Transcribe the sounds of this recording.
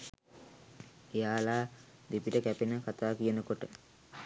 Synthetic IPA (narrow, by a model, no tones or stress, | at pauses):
ejaːlaː | d̪ipiʈəkæpinəkat̪aːkijənəkoʈə